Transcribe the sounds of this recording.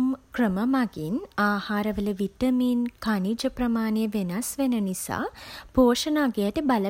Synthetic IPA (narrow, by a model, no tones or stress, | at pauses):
mkrəməmaɡinaːhaːɾɐʋələʋit̪ɐmiːnkanid͡ʒɐprɐmaːnejəʋenɐsʋenənisa̰ːpoːʂɐnaːɡejəʈəbalə